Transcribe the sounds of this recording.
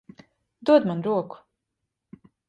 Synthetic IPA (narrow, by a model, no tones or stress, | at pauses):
d̪uɔd̪manɾuɔku̥